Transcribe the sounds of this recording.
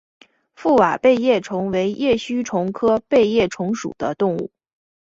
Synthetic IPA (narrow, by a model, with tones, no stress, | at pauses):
fu˥˩wa˨˩pe˥˧ɪjɛ˥˩ʈ͡ʂʰʊ˧˥ŋwe˧˥ɪjɛ˥˩ɕy˥ʈ͡ʂʰʊ˧˥ŋkʰɤ˥pe˥˧ɪjɛ˥˩ʈ͡ʂʰʊ˧˥ŋʂṵ˨˩d̪ə˦t̪ʊ˥˧ŋṵ˥˩